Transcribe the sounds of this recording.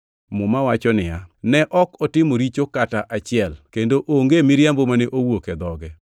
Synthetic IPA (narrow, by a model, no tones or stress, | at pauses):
mʊmawat͡ʃɔnɪjanɛʔɔkɔtɪmoɾit͡ʃokataʔat͡ʃɪɛlkendoʔoŋɡemɪɾjambomanɪʔowoked̪ɔɡɛ